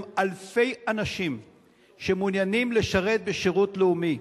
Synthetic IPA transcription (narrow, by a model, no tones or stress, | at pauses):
alfe̞janaʃim | ʃe̞munjanimle̞ʃaʁe̞t̪̚beʃeʁutleumi